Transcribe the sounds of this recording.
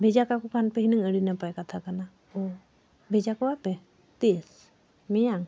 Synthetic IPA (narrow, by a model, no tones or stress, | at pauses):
bʱɛd͡ʒakakɔkʰanpɛɦinəŋəɽinapajkat̪ʰakana | bʱɛd͡ʒakɔwapɛ | t̪is | mijaŋ